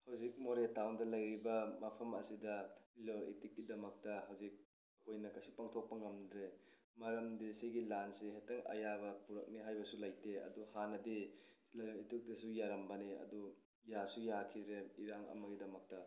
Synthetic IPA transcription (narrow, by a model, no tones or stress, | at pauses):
hɐwzik̚moɾetawndɐlɐjɾibɐmɐpʰɐmɐsidɐiloɾḭtikːidɐmɐk̚tɐɦɐwzik̚ | ɐkʰojnɐkɐjsupaŋtʰok̚pɐŋɐmdɾe | mɐɾɐmdesiɡilanseɦetɐŋɐ̰jabɐpuɾɐk̚niɦajbɐsulɐjteɐ̰duhanɐdilɐjonitik̚dɐsujaɾɐmbɐniɐ̰du | jasujakʰidɾeiɾaŋɐ̰mɐɡidɐmɐk̚tɐ